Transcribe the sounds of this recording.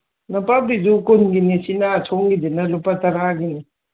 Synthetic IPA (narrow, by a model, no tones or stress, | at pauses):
napabidukonɡinisinaːtʰɔŋɡidinalupːataɾaɡini